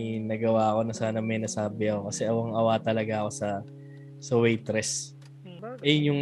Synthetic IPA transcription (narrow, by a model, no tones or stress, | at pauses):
jnɐɡɐwaːɐko̞nɐsaːnɐmɐjnɐsaːbɪʔɐko̞kɐsɛʔɐwɐŋʔɐwaːt̪ɐlɐɡaʔɐko̞sɐ | sɐwɛjt̪ɾɛs | ʔɛjjʊŋ